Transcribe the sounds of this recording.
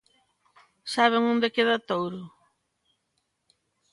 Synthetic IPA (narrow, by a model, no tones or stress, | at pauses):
saβɪŋõnd̪ekeðɐt̪owɾʊ